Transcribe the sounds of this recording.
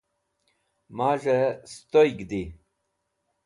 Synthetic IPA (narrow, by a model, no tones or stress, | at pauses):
maːʐest̪ojɡd̪i